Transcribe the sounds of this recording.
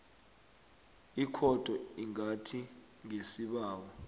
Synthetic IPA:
ikʰɔd̥ʱɔiŋatʰi | ŋʱesiɓaːwɔ

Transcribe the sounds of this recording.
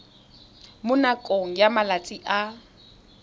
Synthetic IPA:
mʊnakʼoŋ̩jamalat͡sʼiʔa

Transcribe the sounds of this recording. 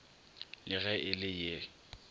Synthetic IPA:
lɪɣɛʔɪlɪje

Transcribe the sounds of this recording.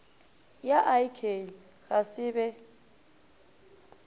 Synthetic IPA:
jaʔajkʰei | ɣasɪbɛ

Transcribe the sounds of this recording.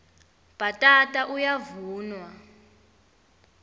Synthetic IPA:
b̥atʼatʼaʔujavuːnwa

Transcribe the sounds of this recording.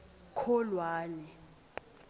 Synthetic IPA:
kʰɔlwaːnɛ

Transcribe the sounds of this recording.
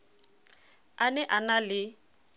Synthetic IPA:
anɛʔanalɪ

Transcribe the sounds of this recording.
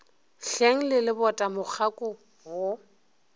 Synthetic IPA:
ɬeŋ̩lɪlɪbɔtʼamʊk͡xʰakʼʊ | wo

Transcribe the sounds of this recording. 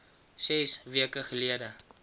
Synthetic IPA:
sɛsviəkəχəliədə

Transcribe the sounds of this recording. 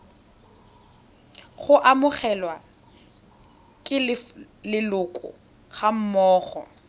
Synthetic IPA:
χʊʔamʊχɛlwa | kʼɪlɪ | lɪlʊkʼʊ̰ | ɣam̩mɔːχɔ̰

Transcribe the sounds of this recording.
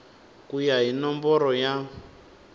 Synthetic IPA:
kujaɦinɔmbɔɾɔja

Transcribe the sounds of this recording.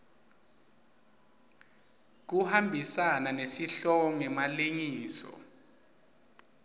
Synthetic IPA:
k̬uhambʱisananesiɬɔɔŋɛmaleŋiːsɔ̰

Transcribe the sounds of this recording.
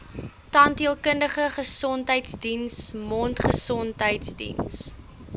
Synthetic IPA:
tɑndiəlˠkəndəχəχəsɔntɦəjtsdinsmɔːntχəsɔntɦəjtsdḭns

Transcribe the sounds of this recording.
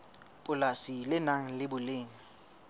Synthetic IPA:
pʼʊlasilɪnaŋ̩lɪbʊleːŋ̩

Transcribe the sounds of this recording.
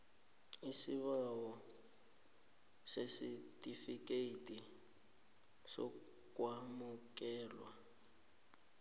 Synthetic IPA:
isiβawɔ | sesitʼifikʼeitʼi | sɔ̰ | kʼwamukʼɛːlwa

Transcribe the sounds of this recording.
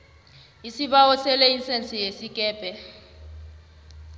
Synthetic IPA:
isiɓawɔsɛlɛinsʼɛnt͡sʼijesikʼɛːpʼɛ

